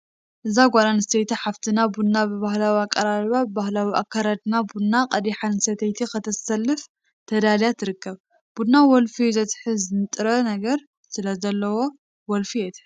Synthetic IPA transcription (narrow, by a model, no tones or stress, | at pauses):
ʔɨzaɡʷalanɨst̪ʰɐjt̪iħaft̪ʰɨnabud̪nabɨβahlawiakʼːɐɾalβabahlawiʔa̰kʰːaɾad̪nabud̪naqʼɐd̪iħansɐt̪ʰɐjt̪ʰixɨt̪ʰɐsɐlːɨf | t̪ʰɐd̪aljat̪ʰːɨɾɨkːɐβ | b̥ud̪nawɔlfizɐt̪ħɨzɨnt̪ʼɨɾɐnɐɡɐɾ | sɨlɐzɐlːɐwo̞ | wɔlfiɛt̪ʰħ